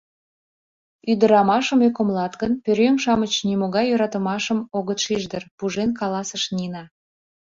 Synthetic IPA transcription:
yd̪ə̆ɾɑmɑʃəmøkomlɑt̪ɣənpøɾʲøŋʃɑmət͡ɕnimoɣɑjːøɾɑt̪ə̆mɑʃəmoɣət̪ʃiʒd̪ərpuʒenkɑlɑsəʃninɑ

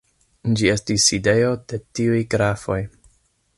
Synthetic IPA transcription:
d͡ʒie̞stisːide̞jo̞d̥e̞tiujɡɾafo̞j

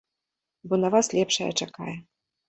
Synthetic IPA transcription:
bɔnɐvaslʲɛpʂɐ̰jɐ̰t͡ʂaka̰jɛ

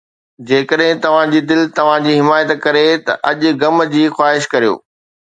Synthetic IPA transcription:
d͡ʑeːkəɗɦɪ̃t̪ɐʋ̤ãd͡ʑiːd̪ɪlt̪ɐʋ̤ãd͡ʑiːɦɪmaːjət̪kɐɾet̪ɐ̰ʔɐʄʊ̆ɡɐmd͡ʑiːxwaːɦɪʃkɐɾijo̰ː

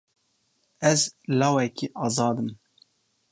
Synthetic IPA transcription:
ɛzlɑːwɛkiʔɑːzɑːd̪ɨm

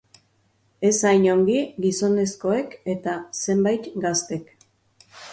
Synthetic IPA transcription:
e̞sajɲo̞ŋɡiɡiso̞ne̞sko̞e̞ke̞t̪ase̞mbajt̪ɡast̪e̞k

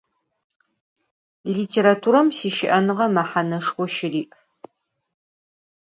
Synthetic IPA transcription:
liːtʰeːɾatʰuːɾɐmsiːʃɪʔɐnɨʁɐmɐħanɐʂχʷʊʃɪriːʔ

